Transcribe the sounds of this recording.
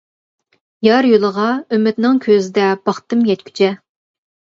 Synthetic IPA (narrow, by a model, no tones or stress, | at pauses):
jɑɾjolˠəʁɑømːɪt̪nɪŋkʲʰøzɪd̪ɛb̥ɑχt̪ɨmjɛt̪kʲʰy̥t͡ʃʰɛ